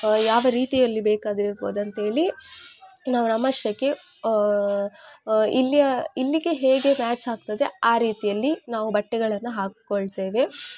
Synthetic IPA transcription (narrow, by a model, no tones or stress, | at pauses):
jaːʋɐɾiːt̪ijɐlːibeːkaːd̪iɾiɾboːd̪ɐnt̪ɦe̞ːɭi | naːʋunɐmːɐʂtɐkːe̞ | ilːijɐilːiɡe̞ɦeːɡe̞maːt͡ʃaːɡ̚t̪ɐd̪e̞aːɾiːt̪ijɐlːinaːʋubɐʈːɛɡɐɭɐnːuɦaːkkoɭt̪e̞ːʋe̞